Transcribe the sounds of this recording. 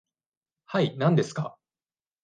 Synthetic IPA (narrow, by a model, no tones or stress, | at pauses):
hainãnd̪e̞sɨ̥ka̰